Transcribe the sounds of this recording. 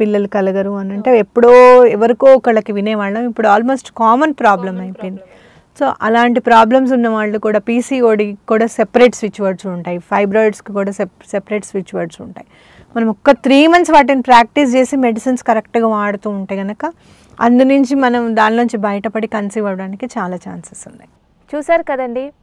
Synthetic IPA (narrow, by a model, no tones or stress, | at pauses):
pilːɐlukɐlɐɡɐɾuɐnɐɳʈeepːuɽoːɛʋɐɾikoːɔkɐɭɐkiʋinɛːʋaːɭːɐmipːuɽuaːlmo̞ːsʈkaːmɐnpɾaːblɐmɐjpojind̪i | soːʔɐlaːɳʈipɾaːblɐms̬unːɐʋaːɭːukuːɽaːpiːsiːoːɽikuːɽaːsepɐɾeːʈsʋit͡ʃːuʋɐɖsuɳʈaːjipʰɐjbɾaːjɖskikuːɽaːs | sepɐɾe̞ːʈsʋit͡ʃːuʋɐɾɖsuɳʈaːji | mɐnɐmɔkːɐt̪ɾiːmɐnsʋaːʈ̬inipɾaːk̚ʈis̬t͡ʃe̞ːsimeɖisinskɐɾek̚ʈɡaːʋaːɽut̪uːuɳʈe̞ːɡɐnɐkɐ | ɐ̰nd̪unuɲt͡ʃimɐnɐmd̪aːnlouɲt͡ʃibɐjɐʈɐpɐɽikɐnsiːʋɐʋɐɽaːnikit͡ʃaːlaːt͡ʃa̰ːnsɐsund̪ɐji | t͡ʃuːsaːɾukɐd̪ɐɳɖi